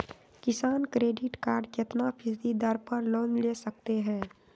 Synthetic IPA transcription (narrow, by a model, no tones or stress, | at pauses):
kɪsaːnkɾeːɖɪʈkaːɾɖket̪napʰɪsd̪id̪əɾpəɾloːnleːsək̚t̪eɦɛ̃ː